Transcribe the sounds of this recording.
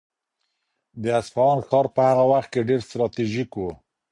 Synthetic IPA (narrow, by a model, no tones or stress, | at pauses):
d̪əasfɑɑnxɑɾpəhaɣawaxt̪̚keɖeɾst̪ɾɑt̪iʒikwu